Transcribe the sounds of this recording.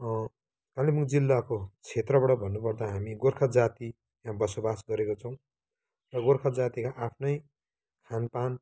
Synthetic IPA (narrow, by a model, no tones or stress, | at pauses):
kalimukd͡zilːakot͡sʰet̪rʌbaʈʌbʱʌnːupʌrd̪aɦamiɡorkʰʌd͡zat̪i | jãbʌsobasɡʌɾekot͡sʰʌw̃ | rʌɡorkʰʌd͡zat̪ikaʔapʰnʌj | kʰanpan